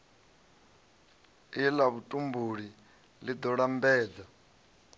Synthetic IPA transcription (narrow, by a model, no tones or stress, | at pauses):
ilaβutʼumbuɺi | lid̪ɔɺambɛːd͡za